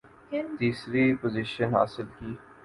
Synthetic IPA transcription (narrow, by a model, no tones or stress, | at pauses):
t̪iːsɾipozɪʃənɦa̰ːsɪlkiː